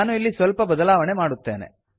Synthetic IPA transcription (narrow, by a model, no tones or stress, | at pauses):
aːnuilːisʋɐlpɐbɐd̪ɐlaːʋɐɳemaːɽut̪ːe̞ːnḛ